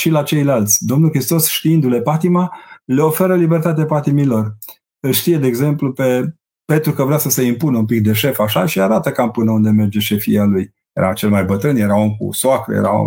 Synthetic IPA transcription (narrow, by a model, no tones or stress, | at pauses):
ʃilat͡ʃe̞jlalt̪sʲd̪o̞mnulxɾist̪o̞sʃt̪iind̪ule̞pat̪imale̞o̞fe̞ɾəlibert̪at̪eepat̪imilo̞r | ɨʃt̪ije̞d̪eːɡze̞mplupe̞ | pent̪ɾukəvɾeasəse̞impunəumpik̚d̪e̞ʃe̞faʃaʃiaɾat̪əkampɨnəund̪e̞me̞rd͡ʒe̞ʃe̞fialuj | jḛɾa̰t͡ʃe̞lmajbət̪ɾɨnjeɾao̞mkṵsoakɾə̰jḛɾa̰o̰m